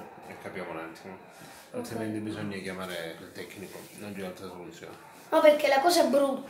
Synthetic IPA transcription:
ekːapjaːmonant̪ʰima | at̪ːjament̪ebizɔɲːakjamaːɾeilt̪ɛkːnikonont͡ʃialt̪ɾasolut̪sːjo̰ːne | nɔperkelakɔːsɛbɾut̪

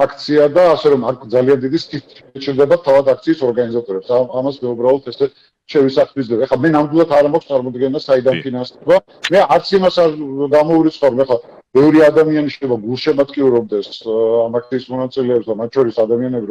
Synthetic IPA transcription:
akʰt̪sʰiad̪aːsɛɾɔmakʰd̪zaliand̪id̪ist̪ʰit̪̚ | t͡ʃʼiɾd̪ɛbat̪ʰavat̪ak̚t̪sʰiːsɔɾɡanizat̪ʼɔɾɛpsaamasmɛubɾaɔlˠt̪ʰɛsɛ | ʃɛvisaχlizlɛbaɛχlamɛnamd̪wilˠat̪ʰaɾamakʰst̪sʼaɾmɔd̪ɡɛnasaid̪anpʰinansɛba | mɛaɾt̪sʰimasaɾɡamɔuɾit̪sʰʼχaɾɔmɛχlˠa | b̥ɛvɾiad̪amianiʃɛjlɛbaɡulˠʃɛmat̪kʼiuɾɔb̚d̪ɛsamak̚ʰt̪sʰiːsmɔnat̪sʼilɛːpsd̪amat̪̚t͡ʃʰɔɾisad̪amianɛbiɾ

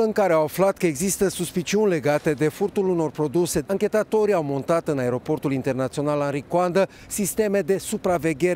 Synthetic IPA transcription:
ɨŋkaɾe̞awaflat̪kəeɡzist̪əsuspit͡ʃiunʲle̞ɡat̪e̞d̪e̞furt̪uluno̞rpɾo̞d̪use̞aŋkʲe̞t̪at̪o̞ɾiawmo̞nt̪at̪ɨnae̞ɾo̞po̞rt̪ulint̪e̞rnat̪sio̞nalanɾikwand̪ə | sist̪e̞me̞d̪e̞supɾave̞ɡʲe̞ɾ

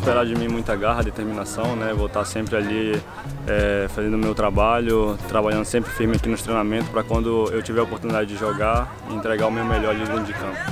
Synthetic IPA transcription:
ʃpeɾad͡ʒɪmĩmũj̃t̪ɐɡaɦɐd̪et̪eɾmĩnasɐ̃w̃nɛvot̪asẽmpɾɪaʎi | ɛfazẽnd̪ʊmewt̪ɾabaʎʊt̪ɾabaʎɐ̃nd̪ʊsẽmpɾɪfiɾmɪakinʊʃt̪ɾej̃namẽnt̪ʊ̥spɾɐkwɐ̃nd̪ʊewt͡ʃivɪɐopoɾt̪unid̪ad͡ʒɪd͡ʒɪʒoɡa | ɪẽnt̪ɾeɡaʊmewmeʎɔɾaliĩd͡ʒɪkɐ̃pʊ̥

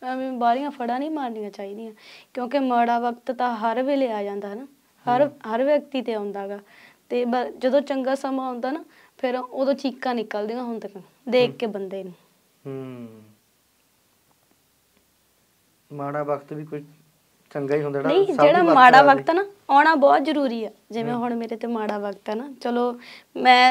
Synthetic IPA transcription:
ĩːbaːlɪjãːpʰəɽãːnĩːmaːɾnijãːt͡ʃaːiːd̪ijãːkjõːk̬ɪmaːɽaːʋəkt̪t̪ãːɦəɾʋeːleːaːd͡ʒãːnd̪aːɦnaː | həɾɦəɾʋjək̚t̪iːt̪eːãːnd̪aːɡaːt̪eːbəd͡ʒəd̪õːt͡ʃəŋɡaːsəmãːɦõːnd̪aːnaː | pʰɪɾoːd̪õːt͡ʃiːkːãːnɪːkəld̪ijãːɦʊnd̪ekə | d̪eːkːeːbənd̪eːnũː | ɦ | maːɽaːbəkʰt̪biːkʊt͡ʃ | t͡ʃəŋɡaːiːɦõnd̪anəĩːd͡ʒeːɽaːmaːɽaːʋəkt̪ɛnaːaːɽ̃aːbɔːt̪zəɾuːɾiːɛːd͡ʒɪʋẽːɦʊɳmeːɾeːt̪eːmaːɽaːʋəkt̪ɛːnaːt͡ʃəloː | mɛ̃ː

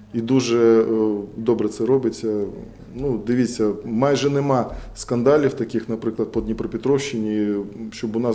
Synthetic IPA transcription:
id̪uʒɛ | d̪ɔbɾɛt̪sɛɾɔbɪt͡sʲːɐ | nud̪ɪʋʲit͡sʲːɐmɑjʒɛnɛmɑskɐnd̪ɑlʲiwt̪ɐkʲɪxnɐpɾɪklˠɐd̪̚pɔd̪nʲipɾɔpʲɪt̪ɾɔʃːɪnʲiʃt͡ʃɔbʊnɑ

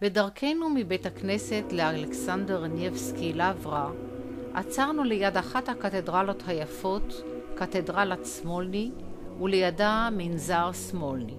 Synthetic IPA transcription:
b̥edaʁkʰe̞jnumibe̞jthakne̞se̞tlealeksandeʁnjefskilavʁa | ʔat͡saʁnulejadaχathakat̪edʁalo̞thajafo̞t | katedʁalatsmolni | ulejadaminzaʁsmolni

